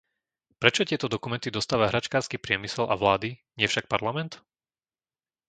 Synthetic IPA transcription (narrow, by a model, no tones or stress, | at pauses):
pɾɛt͡ʃɔt̪ɪɛt̪ɔd̪ɔkumɛnt̪id̪ɔst̪aːʋaɦɾat͡ʃkaːɾskipɾɪɛmisɛlʔa̰ʋlaːd̪iɲɪɛfʃak̚paɾlamɛnt̪